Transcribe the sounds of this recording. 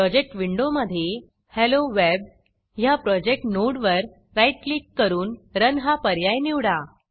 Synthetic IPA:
pɾɔd͡ʑek̚ʈʋiɳɖoməd̪ʱːje | heloʋeb | ɦjapɾɔd͡ʑek̚ʈnoɽʋəɾ | ɾajʈ̚klikːəɾuːnɾənɦapəɾjajniʋɽa

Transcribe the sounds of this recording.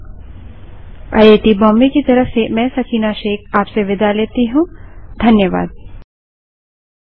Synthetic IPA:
aeːʈibɔːmbikit̪ɐɾəfsemɛ̃ːsɐkʰiːnaʃeːkʰaːpseʋɪd̪aleːt̪iɦũd̪ʱɐnjəʋa̰ːd̪̚

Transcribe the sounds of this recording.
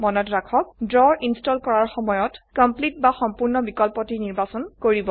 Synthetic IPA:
mɔnɔtɹakʰɔk̚dɹɔɹʔinstɔlkɔɹaɹxɔmɔjɔtkɔmplit̚baxɔmpuɹnɔbikɔlpɔtiniɹbasɔnkoɹibɔ

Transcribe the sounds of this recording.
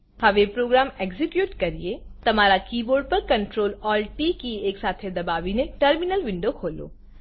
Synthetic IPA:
hɐʋepɾoːɡɾaːmeɡzɪkjuːʈkɐɾiet̪ɐmaːɾakiːboːɾɖ̚pɐɾkɐ̃ɳʈɾoːlɔːlʈikieːksaːt̪ʰed̪ɐbaːʋinẽʈəɾmɪnəlʋɪ̃ɳɖokʰoːlo̰ː

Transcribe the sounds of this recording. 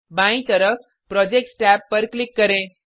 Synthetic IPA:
bãĩt̪əɾəf | pɾɔd͡ʑek̚ʈsʈæpːəɾklikːəɾẽ

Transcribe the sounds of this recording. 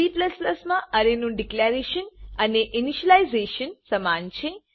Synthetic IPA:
iplɐslɐsmaʔɐɾenũɖiklaɾeʃənɐneʔiniʃəlaizeːʃənsɐmaːnt͡ʃʰe

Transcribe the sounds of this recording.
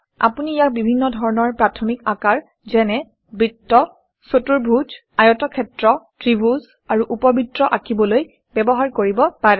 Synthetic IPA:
a̰puniːjak̚bibʱinːɔdʱɔɹɔnɔɹpɹatʰɔmikakaɹ | zɛnɛ | bɹitːɔ | sotuɹbʱud͡ʒ | ajɔtɔkʰɛtɹɔtɹibuz | aɹuʔupɔbitɹɔʔakibɔloj | bɛbɔɦaɹkoɹibɔpaɹɛ

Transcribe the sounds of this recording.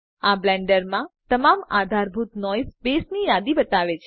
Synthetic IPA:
ablɛ̃ɳɖəɾmãt̪əmamad̪ʱaɾbʱut̪nɔjspesnijad̪ibət̪aʋet͡ʃʰ

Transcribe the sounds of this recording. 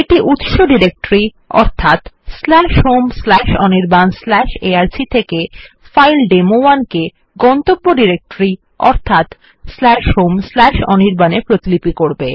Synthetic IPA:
eʈiʔut̪ʃoɖiɾek̚ʈoɾi | ɔ̰ɾt̪ʰat̪slɛʃɦomslɛʃɔniɾbanslɛʃeaɾsit̪ʰeke | fajlɖemoanke | ɡɔnt̪obːoɖiɾek̚ʈoɾi | ɔ̰ɾt̪ʰat̪ | slɛʃɦomslɛʃɔniɾbanepɾot̪ilipikoɾbe

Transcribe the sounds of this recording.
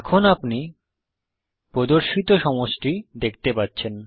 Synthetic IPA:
ɛkʰonapni | pɾod̪oɾʃit̪oʃɔmoʃʈid̪ek̚ʰt̪epatːɕʰen

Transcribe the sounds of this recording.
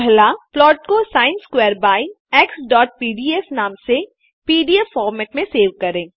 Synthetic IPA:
blaplɔːʈ̚kosaːɪ̃nskweːɾbaːi | ɛːksɖɔːʈ̚piːɖiɛsnaːmse | piːɖiɛffɔːɾmɛːʈmẽseːʋkɐɾẽː

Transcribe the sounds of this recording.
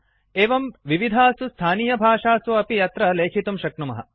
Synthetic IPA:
eːʋɐmʋiʋid̪ʱaːsust̪ʰaːniːjɐbʱaːʂaːsuɐpijɐt̪ɾɐleːkʰit̪umʃɐk̚numɐ̰ɦɐ̰

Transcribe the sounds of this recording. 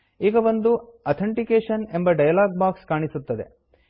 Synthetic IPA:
iːɡɐʋond̪uɐt̪ʰɐɳʈikeːʂɐne̞mbɐɖɐjɐlaːɡ̚baːkskaːɳisut̪ːɐd̪e̞̰

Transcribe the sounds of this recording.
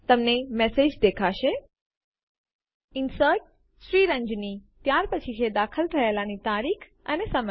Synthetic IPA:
t̪əmnemesed͡ʒd̪ekʰaʃe | insəʈ̚ | sɾiːɾə̃ɲd͡ʒnit̪jaːɾpət͡ʃʰit͡ʃʰed̪aːkʰəlʈ̪ʰɐɦelanit̪aːɾiːkʰ | ənesəmə

